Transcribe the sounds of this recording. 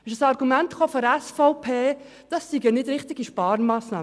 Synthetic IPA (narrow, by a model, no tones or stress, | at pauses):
ɛnʃsɑɾɡumɛntχoːfɔɾɛsfɔʊpʰeː | d̥ɑsːiɡənɪdɾɪχtɪɡiʃpɑːɾmaːsnɑ̰ː